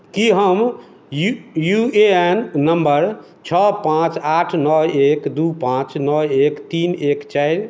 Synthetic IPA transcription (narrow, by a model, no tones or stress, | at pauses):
kiɦəm | jueenːəmbəɾ | t͡ʃʰɔpãt͡ʃaʈʰnɔekd̪upãt͡ʃnɔekt̪inekt͡ʃajɾ